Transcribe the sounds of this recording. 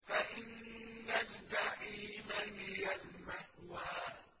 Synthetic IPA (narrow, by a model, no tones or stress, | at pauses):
faʔɪnːand̪aʔiːmamɪjalmahwaː